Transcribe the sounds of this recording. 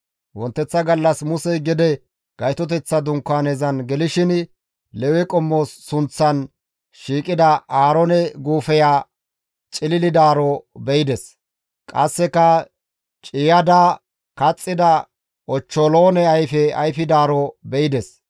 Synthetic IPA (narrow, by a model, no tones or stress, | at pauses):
wɔnt̪ːɛt͡sːɐɡɐlːɐsmʊsɛjɡɪd̪ɛ | ɡ̥ɐjt̪ɔt̪̬ɛt͡sːɐd̪ʊŋkːaːneːzɐnɡɛlɪʃɪn | lɛwɛkʼɔmːoːsːʊnt͡sːɐn | ʃiːkʼɪd̪ɐʔaːɾɔnɛɡuːfɛjaː | t͡ʃʼɪlɪlɪd̪aːɾɔbɛjɪd̪ɛs | kʼɐsːɛkɐ | t͡ʃʼɪjɐd̪a | kɐt͡sʼːɪd̪ɐ | ɔt͡ʃːɔloːnɛɐjfɛɐjfɪd̪aːɾɔbɛjɪd̪ɛs